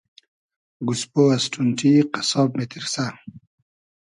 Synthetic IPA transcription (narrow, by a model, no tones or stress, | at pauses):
ɡuspoasʈʰunʈ͡ʂʰiqasɔːbmet̪iɾsa